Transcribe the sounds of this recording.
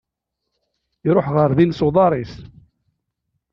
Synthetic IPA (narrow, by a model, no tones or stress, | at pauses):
jɾoħʁəɾðinsʊðˤɑɾˤis